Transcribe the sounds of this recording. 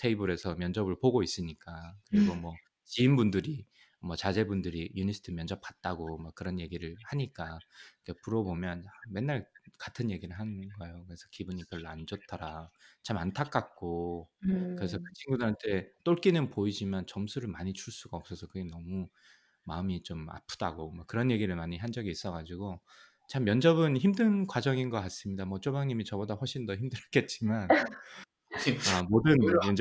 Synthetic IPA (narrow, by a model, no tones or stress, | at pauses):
tʰeibuɾe̞sʰʌmjʌnd͡ʑʌbɯɭpoɡois͈ɯɲik͈akɯɾiɡomwʌ | t͡ɕiːmbundɯɾi | mwʌt͡ɕad͡ʑe̞bundɯɾijunisʰɯ̥tʰɯmjʌnd͡ʑʌp̚pkḁt̚t͈aɡomak̚k͈ɯɾʌnje̞ɡiɾɯɭhaɲik͈akepuɾʌbomjʌname̞nːaɭkatʰɯnje̞ɡiɾɯɭɦanɯnɡʌejokɯɾe̞sʰʌkibuɲikɯɾɯɭand͡ʑʌt̚t͈ʰʌɾat͡ɕamantʰak͈ak̚k͈o | kɯɾe̞sʰʌkɯt͡ɕʰiŋɡudɯɦantʰe̞t͈oɭk͈inɯnpoid͡ʑimant͡ɕʌmsʰuɾɯɭmaɲit͡ɕʰuɭs͈uɡaʌp̚s͈ʌsʰʌkɯɡenʌmu | ma̰ɯmit͡ɕoma̰pʰud̥a̰ɡomakk͈ːɯɾʌnje̞ɡiɾɯɭmaɲiɦand͡ʑʌɡiːs͈ʌɣad͡ʑiɡo | t͡ɕamjʌnd͡ʑʌbɯnçimdɯnkwad͡ʑʌŋinɡʌkas͈ɯmɲidamwʌt͡ɕ͈obaŋɲimit͡ɕʌbodaɸʌɭɕʰindʌhɦimdɯɾk͈e̞t̚t͡ɕ͈iman | amodɯnjʌn